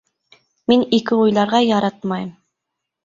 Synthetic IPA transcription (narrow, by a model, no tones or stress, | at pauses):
minekiujlˠɑɾʁɑjɑɾɑt̪mɑjm